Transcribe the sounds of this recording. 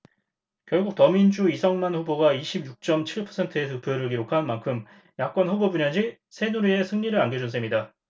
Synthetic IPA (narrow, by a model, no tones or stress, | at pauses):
kjʌɭɡuk̚tʌmind͡ʑuisʰʌŋmanɸuboɡaiɕʰib̚juk̚t͡ɕ͈ʌmt͡ɕʰiɭpʰʌsʰe̞ntʰɯet̬ɯpʰjʌɾɯɭɡiɾokʰanmankʰɯm | jak͈ʌnɸubobuɲʌnd͡ʑi | sʰe̞nuɾie̞sʰɯŋɲiɾɯɾanɡed͡ʑunsʰemɲida